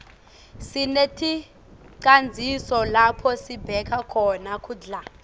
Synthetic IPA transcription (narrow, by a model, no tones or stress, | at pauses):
sinetʰi | ǀand͡zʱisɔlapʰɔsibʱɛkʰakʰɔnakʰuːɮa